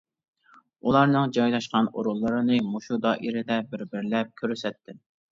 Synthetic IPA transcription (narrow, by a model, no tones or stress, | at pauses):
ulˠɑɾnɨŋd͡ʒɑjlˠɑʃqɑno̰ɾulˠːɨɾɨnɨmoʃud̪ɑʔiɾɪd̪ɛbɪɾbɪɾlɛp̚kʲʰøɾsɛt̪ʰːɪ